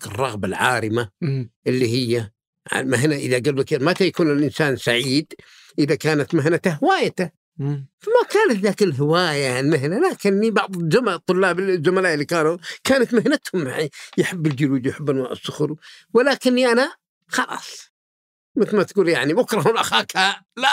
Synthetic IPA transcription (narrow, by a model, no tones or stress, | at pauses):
kɪrˤːɑɣbalʕa̰ːɾɪmaʔɪlːiɦɪjːa | ʕa̰maɦnaʔɪðaɡalːakamat̪ajakuːnɪlʔɪnsaːnsaʕiːd̪ | ʔɪðakaːnat̪maɦnat̪aɦɪwaːjat̪a | famakaːnat̪ðaːkɪlɦɪwaːjaʕlmaɦnalaːkɪnːibɑʕðˤzʊmat̪ˤːʊlːaːbɪzʊmalaːʔɪlːiːkaːnukaːnat̪mahnat̪hʊmːaʕijħɪbːɪld͡ʒʊɾuːd͡ʒwjħɪbːɪnmaʔɑ̰sːʊxɾu | wɪlaːkɪnːiʔana | xɑlɑ̰ːsˤ | mɪt̪lmat̪aɡuːljaʕnimʊkɾˤɑɦlʔaxaːkhala